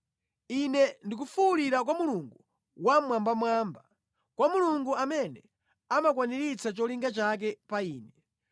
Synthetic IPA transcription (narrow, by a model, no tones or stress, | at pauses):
inɛndikufuuɾiɾak̬wamuluŋɡu | wamwambamwaːmba | kwamuluŋɡuamɛnɛ | amakwaniɾit͡sat͡ʃɔliŋɡat͡ʃak̬ɛpaiːnɛ